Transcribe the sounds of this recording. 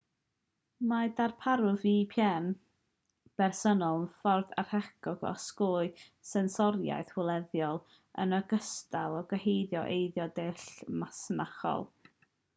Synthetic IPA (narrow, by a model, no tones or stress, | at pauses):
madarpʰaɾʊðipʰjɛn | b̥ɛrsɔnɔlˠənfɔrθa̰r̥hɛkɔɡɔ̰skʊːɨ | sɛnsɔɾja̰jθwɪlˠɛðjɔlˠ | ə̰nəɡəstalˠɔɡwəhejðjɔʔejðjɔdɪɬmasnaχɔ̰lˠ